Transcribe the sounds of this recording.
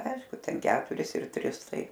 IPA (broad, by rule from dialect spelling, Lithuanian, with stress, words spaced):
ˈɐɪʃkʊ ˈtʲɛn ˈkʲæːtʊrʲɪs ɪr ˈtʲrʲɪs ˈtɐɪ